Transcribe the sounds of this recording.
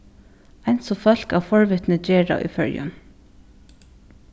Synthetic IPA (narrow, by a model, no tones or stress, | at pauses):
ænsɔfœlkɑːfɔɹʋʏt̪nəd͡ʒeːɾɑ̰ːʔḭːfœ̰ɹjʉ̰m